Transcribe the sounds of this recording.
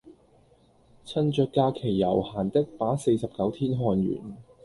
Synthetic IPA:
t͡sʰɐ˥nt͡ʃœː˧kːaː˧kʰe˨˩jːɐ˨˩whaː˨˩nt̪ɪ˥k̚paː˨˥se˧jsɐ˨p̚kɐ˨˥wt̪ʰiː˥nɦɔː˧nɥy̰ː˨˩n

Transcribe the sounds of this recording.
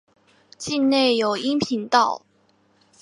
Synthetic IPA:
t͡ɕi˥˧nne˥˩ɪjo˨˩ʊi˥ŋpʰi˧˥ŋt̪ɑ˥˩ʊ

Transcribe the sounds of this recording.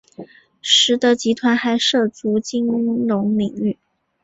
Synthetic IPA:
ʂɻ̩˧˥t̪ɤ˧˥t͡ɕi˧˥t̪ʰwa˧˥nxa˧˥ɪʂɤ˥˩t͡su˧˥t͡ɕi˥ŋɻʊ˧˥ŋli˨˩ŋy˥˩

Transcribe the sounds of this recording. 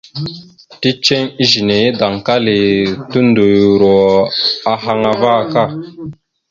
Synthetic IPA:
ti˦t͡ʃe˦ɲi˦ʒi˨ne˨˦da˨ŋka˦li˨tu˦n˦do˨jɾɔ˨a˨ɦa˧ŋa˨va˦˨ka˦˨

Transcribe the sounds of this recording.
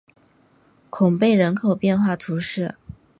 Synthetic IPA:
kʰʊ˨˩ŋpe˥˩ɪɻə˧˥nkʰo˨˩ʊpjɛ˥˧nxwa˥˩t̪ʰu˧˥ʂɻ̩˥˩

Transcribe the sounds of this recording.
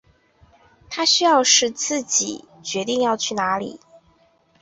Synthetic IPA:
t̪ʰa˥ɕy˥jɑ˥˧ʊʂɻ̩˥˧t͡sɹ̩˥˩t͡ɕḭ˨˩˦ | t͡ɕɥɛ˧˦˥t̪i˥˧ŋjɑ˥˧ʊt͡ɕʰy˥˩na˧˥lḭ˨˩˦

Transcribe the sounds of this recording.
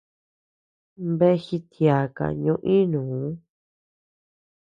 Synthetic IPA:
mbe˦xi˧t̪ja˨ka̰˨ɲũ˧˦ʔĩ˦nũː˨˦

